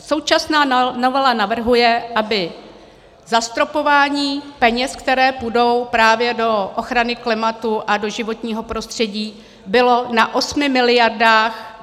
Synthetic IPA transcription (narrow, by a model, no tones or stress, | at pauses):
so̞wt͡ʃasnaːno̞vɛlanavr̩ɦujɛʔabɪ | zast̪ɾo̞po̞vaːɲiːpɛɲɛskt̪ɛɾɛːpudo̞wpɾaːvjɛdo̞ʔoxɾanɪklɪmat̪uʔado̞ʒɪvo̞t̪ɲiːɦo̞pɾo̞st̪r̝̥ɛɟiː | bɪlo̞naʔo̞smɪmɪlɪjardaːx